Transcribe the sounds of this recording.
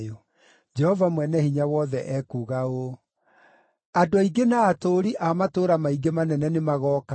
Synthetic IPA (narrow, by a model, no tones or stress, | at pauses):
o | d͡ʒɛhɔvamwɛnɛhiɲawɔðɛʔɛkuːɣao | adoaiɡenaːtoːɾiʔamatoːɾamaiɡemanɛnɛnemaɣɔːka